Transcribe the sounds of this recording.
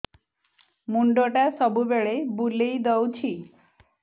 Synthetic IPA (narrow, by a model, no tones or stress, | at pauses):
muɳɖoʈasɔbubeɭebulejd̪ɔwt͡ɕʰi